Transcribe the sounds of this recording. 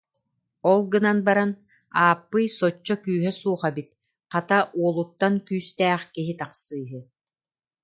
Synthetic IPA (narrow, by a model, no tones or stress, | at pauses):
ɔlˠɡɯnanbaɾan | aːpːɯjsɔt͡ɕːɔkyːɦɛsuːχɛbit̪̚ | qat̪aʔuɔlˠut̪ːankyːst̪ɛːχkiɦit̪aqsɯːɦɯ